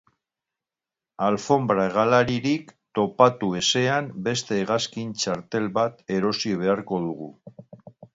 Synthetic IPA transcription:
alfo̞mbɾaeɣ̞alaɾiɾikt̪o̞pat̪ue̞se̞ambe̞st̪e̞ːɣ̞askint͡ʃaɾt̪e̞lβat̪e̞ɾo̞siβ̞e̞aɾko̞ðuɣ̞u

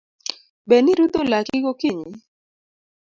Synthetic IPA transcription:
benɪɾut̪olakɪkokiɲi

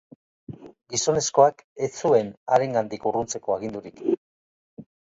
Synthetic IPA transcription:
ɡiso̞ne̞sko̞aket͡sue̞na̰ɾe̞ŋɡand̪ikurunt͡se̞ko̞aɣind̪uɾik

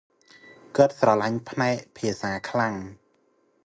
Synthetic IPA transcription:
kɨt̪̚srɑlaɲpʰnaɛk̚pʰiəsaːkʰlaŋ

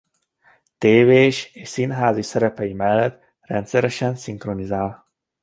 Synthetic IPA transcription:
t̪eːveːʃeːʃsinɦaːzisɛɾɛpɛjimɛlːɛt̪ | rɛ̰nt̪sɛɾɛʃɛnsiŋkro̞nizaːl

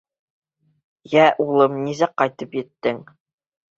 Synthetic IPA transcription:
jæʔulˠɤmnizæqɑjt̪ɤpjɘ̆t̪ːɘŋ

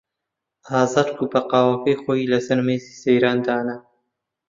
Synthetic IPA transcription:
aːzɑd̪kupɐqɑːwɐkɐjxoːilɐsɐɾmeːzi̥sejɾɑːnd̪aːnɐ

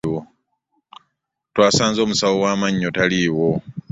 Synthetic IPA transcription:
o | twaːsaːnzo̞ːmusawo̞waːmaɲːotaliːwo

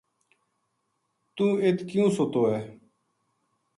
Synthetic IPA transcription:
t̪ũːeːt̪ʰkjũːsoːt̪oːɛː

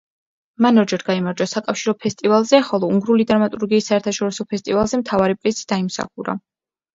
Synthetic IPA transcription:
manɔɾd͡ʒɛɾɡaimaɾd͡ʒasakʼafʃiɾɔpʰɛst̪ʼivalˠzɛχɔlˠɔuŋɡɾulid̪ɾamat̪ʼuɾɡiːsːaɛɾt̪ʰaʃɔɾisɔpʰɛst̪ʼivalˠzɛmt̪ʰavaɾipʼɾisi̥d̪aimsa̰χuɾa̰

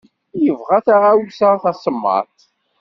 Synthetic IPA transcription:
jəvʁaθaʁawsaθæsˤəmːɑ̰θ

